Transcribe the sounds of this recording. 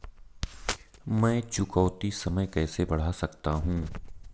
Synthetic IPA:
mɛ̃ːt͡ʃʊkɔːt̪isɐməjkɛːsebɐɽ̤asɐkt̪aɦũː

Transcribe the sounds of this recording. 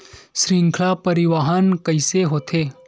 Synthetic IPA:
ʃɾiŋkʰɭapəɾiʋaɦankəiseɦot̪ʰe

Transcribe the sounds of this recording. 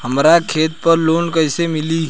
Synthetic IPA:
ɦɐmɾakʰeːt̪pɐɾloːnkəɪsemɪliː

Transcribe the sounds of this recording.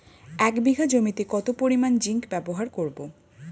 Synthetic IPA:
ɛkbiɡʱad͡ʑomit̪ekɔt̪opoɾimand͡ʑiŋkbɛboɦaɾkoɾbo

